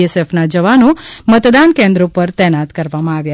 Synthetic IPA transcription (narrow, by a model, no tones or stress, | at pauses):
esefnad͡ʒəʋanomət̪d̪ankẽnd̪ɾopəɾt̪ɛnat̪kəɾʋamãaʋja